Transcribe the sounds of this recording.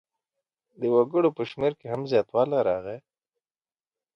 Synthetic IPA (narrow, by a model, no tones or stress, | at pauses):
d̪əwaɡəɽopəʃmeɾkeɦamzjɑːt̪wɑlaɾɑɣe